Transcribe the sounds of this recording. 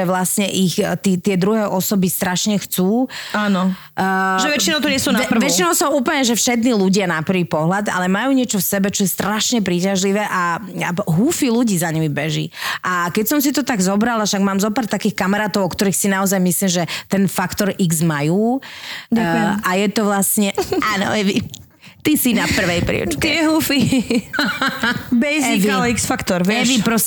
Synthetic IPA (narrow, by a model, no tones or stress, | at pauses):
ɛʋlastɲɛʔixt̪iːt̪ɪɛd̪ɾuɦɛːʔɔsɔbist̪ɾaʃɲɛxt͡suːaːnɔ | ʒɛʋɛt͡ʃinɔʊt̪ɔɲɪɛsuːnpʋɛt͡ʃinɔʊsɔʔuːpl̩ɲɛʒɛfʃɛd̪niluɟɪanapr̩ʋiːpɔɦlad̪a̰lɛmajuːɲɪɛt͡ʃɔfsɛbɛt͡ʃɔjɛst̪ɾaʃɲɛpɾiːcaʒliʋɛːʔaɦuːfiluɟiːzaɲimibɛʒḭʔakɛcsɔmsit̪ɔt̪aɡzɔbɾalaʃaɡmaːmzɔpaːɾt̪akiːxkamaɾaːt̪ɔʊɔkt̪ɔɾiːxsinaɔzajmisliːmʒɛt̪ɛnfakt̪ɔɾiɡzmajuː | aajɛt̪ɔʋlasɲɛʔaːnɔ̰ɛʋi | t̪isinapr̩ʋɛjpɾḭɛ̰ʊt͡ʃkɛɛɦufi | bɛʒɛikalɛiksfakt̪ɔɾʋɛʋipɾɔs